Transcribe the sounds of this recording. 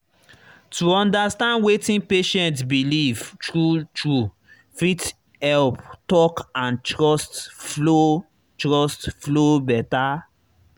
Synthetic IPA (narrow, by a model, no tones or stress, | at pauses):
tuɔ̃ndastãndwetĩnpeʃɛ̃ntsbilivtɹutɹu | fit | hɛlptɔkãntɹɔstflo | tɹɔstflobɛta